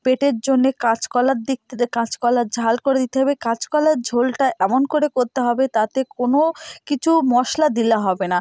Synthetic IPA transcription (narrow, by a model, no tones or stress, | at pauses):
peʈeɾd͡ʑonːekat͡ɕkɔlad̪ikãt͡ɕkɔlad͡ʑʱalkoɾed̪it̪eɦɔbekãt͡ɕkɔlaɾd͡ʑʱolʈaʔɛmonkoɾekoɾt̪eɦɔbet̪at̪ekonokit͡ɕʰumɔʃlad̪ilaɦɔbena